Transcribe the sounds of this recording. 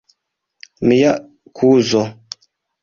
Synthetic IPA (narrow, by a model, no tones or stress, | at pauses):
mijaʔ | kʰuzɔ